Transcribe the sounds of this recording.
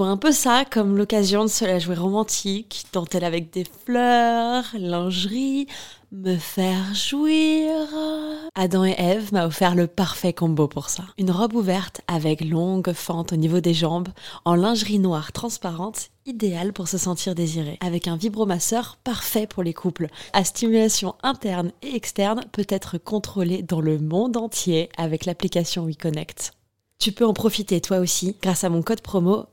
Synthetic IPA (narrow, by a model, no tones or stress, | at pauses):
ũɛ̃pøsakɔmlɔkazjɔ̃d̪əsəlaʒweʁɔmɑ̃t̪ʰikt̪ɑ̃t̪ɛlavɛk̚d̪eflœʁlɛ̃ʒʁiməfɛʁʒwiʁad̪ɑ̃eʔɛvmaɔfɛʁləpaʁfɛkɔ̃bopuʁsaynʁɔbuvɛʁt̪avɛklɔ̃ɡfɑ̃t̪onivod̪eʒɑ̃bɑ̃lɛ̃ʒʁinwaʁt̪χɑ̃spaʁɑ̃t̪ | id̪ealpuʁsəsɑ̃t̪ʰiʁd̪eziʁeavɛkɛ̃vibʁomasœʁpaʁfɛpʰuʁlekʰuplast̪imylasjɔ̃ɛ̃t̪ɛʁneɛkst̪ɛʁnpøt̪ɛt̪χəkɔ̃t̪χoled̪ɑ̃ləmɔ̃d̪ɑ̃t̪jeavɛklaplikasjɔ̃ikɔnɛkt̪ | t̪ypøɑ̃pχɔfit̪et̪waosiɡ̥ʁasamɔ̃kɔd̪pχɔmo